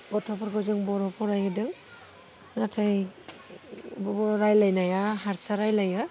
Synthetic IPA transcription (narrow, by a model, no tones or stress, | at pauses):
bɔtʰɔpʰɔɾɡɔzɯŋbɔɾɔpʰɔɾajɯdɯŋ | natʰaj | bɔbɔɾɔɾajlajnajaɦaɾsaɾajlajɯ